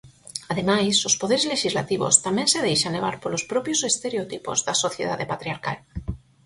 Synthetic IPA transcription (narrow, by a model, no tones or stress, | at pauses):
aðemajsospoðeɾezleʃizla̰t̪iβo̰st̪amẽnseðejʃanleβ̞aɾpolospɾɔpjosest̪eɾeot̪ipo̰zðasoθjeðaðepat̪ɾiaɾka̰l